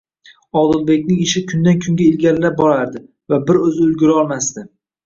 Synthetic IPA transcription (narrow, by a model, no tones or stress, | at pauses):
ɒd̪ɪlˠbe̞kʲnɪŋɪʃɪkʰʊnd̪ankʲʰʊŋɡʲaɪlɡʲaɾɪlabɒɾaɾd̪ɪ | vabɪɾɵzɪʊlɡʲʊɾɪɒlˠmast̪ɪ